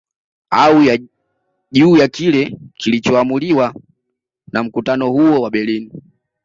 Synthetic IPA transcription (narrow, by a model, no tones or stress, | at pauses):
auja | ʄuːjakilɛkilit͡ʃɔamuliwa | nam̩kutanɔhuwɔwaɓɛlini